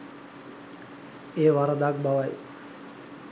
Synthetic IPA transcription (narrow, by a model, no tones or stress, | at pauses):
eːʋaɾad̪aːk̚baʋaj